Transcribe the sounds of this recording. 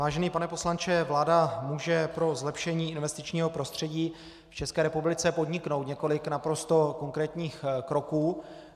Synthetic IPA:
vaːʒɛniːpanɛpo̞slant͡ʃɛvlaːdamuːʒɛpɾo̞zlɛpʃɛɲiːɪnvɛst̪ɪt͡ʃɲiːɦo̞pɾo̞st̪r̝̥ɛɟiː | ft͡ʃɛskɛːɾɛpublɪt͡sɛpo̞dɲɪkno̞wt̪ɲɛko̞lɪknapɾo̞st̪o̞ko̞ŋkɾɛːt̪ɲiːxkɾo̞kuː

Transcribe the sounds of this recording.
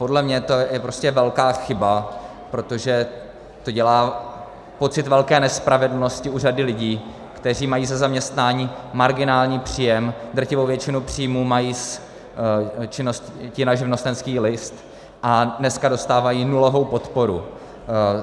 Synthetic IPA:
po̞dlɛmɲɛt̪ojɛpɾo̞scɛvɛlkaːxɪba | pɾo̞t̪o̞ʒɛ | t̪o̞ɟɛlaː | po̞t͡sɪt̪vɛlkɛːnɛspɾavɛdl̩no̞scɪʔuːradɪlɪɟiː | kt̪ɛr̝iːmajiːzɛzamɲɛst̪naːɲiːmaɾɡɪnaːlɲiːpr̝̥ijɛmd̪r̩cɪvowvjɛt͡ʃɪnupr̝̥ijmuːmajiːs | t͡ʃɪnosccɪnaʒɪvnost̪ɛnskiːlɪst̪ | ʔanɛskado̞st̪aːvajiːnulovo̞wpo̞t̪po̞ɾu

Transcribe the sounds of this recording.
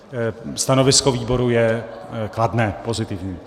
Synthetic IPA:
st̪ano̞vɪskoviːbo̞ɾujɛkladnɛːpo̞zɪt̪ɪvɲiː

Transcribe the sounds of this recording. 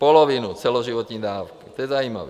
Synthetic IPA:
pɔlɔʋinut͡sɛlɔʒiʋɔt̪ɲiːd̪aːwkit̪ɔjɛzauːma̰ʋ

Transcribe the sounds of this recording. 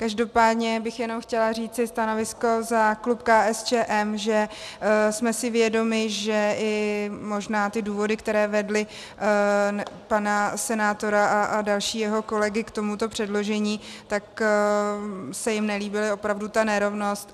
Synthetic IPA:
kaʒdo̞paːdɲɛbɪxjɛno̞mxcɛlar̝iːt͡sɪst̪ano̞vɪsko̞zaklupkaːʔɛst͡ʃɛːʔɛmʒɛ | smɛsɪvjɛdo̞mɪʒɛɪmo̞ʒnaːt̪ɪduːvo̞dɪkt̪ɛɾɛːvɛdlɪ | panasɛnaːt̪o̞ɾaʔaʔadalʃiːjɛɦo̞ko̞lɛɡɪkt̪o̞mut̪o̞pr̥ɛdlo̞ʒɛɲiːt̪ak | sɛjɪmnɛliːbɪlɪo̞pɾavdut̪anɛɾo̞vno̞st̪̚

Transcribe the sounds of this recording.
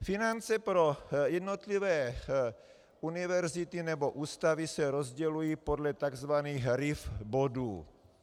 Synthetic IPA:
finant͡sɛpɾo̞jɛdnot̪livɛː | unɪvɛɾzɪt̪inɛbo̞ʔuːst̪avisɛɾo̞zɟɛlujiːpo̞dlɛt̪aɡzvaniːxɾɪfbo̞duː

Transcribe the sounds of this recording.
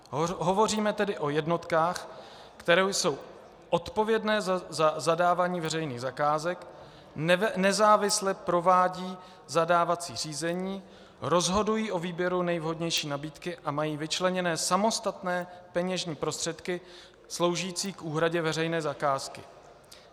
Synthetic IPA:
ɦo̞vo̞riːmɛt̪ɛdɪʔo̞jɛdno̞t̪kaːx | kt̪ɛɾojso̞w | ʔo̞t̪po̞vjɛdnɛːzazazadaːvaːɲiːvɛɾɛjniːɣzakaːzɛk | nɛzaːvɪslɛpɾo̞vaːɟiː | zadaːvat͡sḭːr̝iːzɛɲiː | ɾo̞zɦo̞dujiːʔo̞viːbjɛɾunɛjvɦo̞dɲɛjʃiːnabiːt̪kɪʔamajiːvɪt͡ʃlɛɲɛnɛːsamo̞st̪at̪nɛːpɛɲɛʒɲiːpɾo̞st̪r̥ɛt̪kɪ | slowʒiːt͡siːkʔuːɦɾaɟɛvɛrɛjnɛːzakaːskɪ̰

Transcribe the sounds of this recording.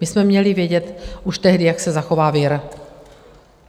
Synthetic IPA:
mɪsmɛmɲɛlɪvjɛɟɛt̪ʔuʃt̪ɛɦdɪjaksɛzaxo̞vaːvɪɾ

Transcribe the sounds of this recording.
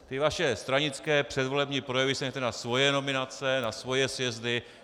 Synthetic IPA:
t̪ɪvaʃɛst̪ɾaɲɪt͡skɛːpr̝̥ɛd̪vo̞lɛbɲipɾo̞jɛvɪsɛɲɛt̪ɛnasvo̞jɛno̞mɪnat͡sɛnasvo̞jɛsvjɛzdɪ

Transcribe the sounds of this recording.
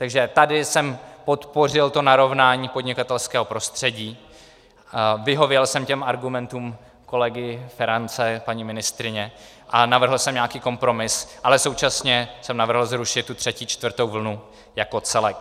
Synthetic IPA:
t̪aɡʒɛt̪adɪsɛmpo̞t̪po̞r̝ɪlt̪o̞naɾo̞vnaːɲiːpo̞dɲɪkat̪ɛlskɛːɦo̞pɾo̞st̪r̝̥ɛɟiː | vɪɦo̞vjɛlsɛmcɛmaɾɡumɛnt̪uːm | ko̞lɛɡɪfɛɾant͡sɛpaɲiːmɪnɪst̪ɾɪɲɛ | ʔanavr̩ɦl̩sɛmɲaːkiːko̞mpɾo̞mɪsʔalɛso̞wt͡ʃasɲɛsɛmnavr̩ɦl̩zɾuʃɪt̪̚ːut̪r̝̥ɛciːt͡ʃt̪vr̩t̪owvl̩nu | jako̞t͡sɛlɛk

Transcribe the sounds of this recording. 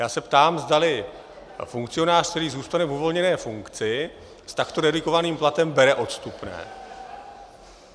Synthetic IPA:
jaːsɛpt̪aːmzdalɪ | fuŋkt͡sɪo̞naːrkt̪ɛɾiːzuːst̪anɛvuvo̞lɲɛnɛːfuŋkt͡sɪ | st̪akt̪o̞dɛdɪko̞vaniːmplat̪ɛmbɛɾɛʔo̞t̪st̪upnɛ̰ː

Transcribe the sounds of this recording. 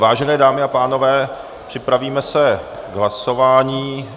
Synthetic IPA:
vaːʒɛnɛːdaːmɪapaːno̞vɛː | pr̝̥ɪpɾaviːmɛsɛ | ɡɦlaso̞vaːɲiː

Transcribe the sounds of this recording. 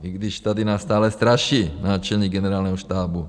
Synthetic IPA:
iɡd̪iʃt̪ad̪inast̪aːlɛst̪ɾaʃiːnaːt͡ʃɛlɲiːɡɛnɛɾaːlnɛɦɔʃt̪aːbu

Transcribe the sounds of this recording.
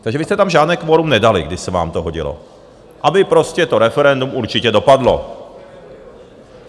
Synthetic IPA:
t̪aɡʒɛʋist̪ɛt̪amʒaːd̪nɛːkʋoɾumnɛd̪alḭɡd̪ɪʃsɛʋa̰ːmt̪ɔɦɔɟḭlɔ̰ | ʔabɪpɾoscɛt̪oɾɛfɛɾɛnd̪umuɾt͡ʃicɛdopad̪lo̰

